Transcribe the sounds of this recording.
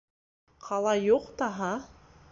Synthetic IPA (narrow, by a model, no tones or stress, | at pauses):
qʰɑlˠɑjuqt̪ɑɦɑ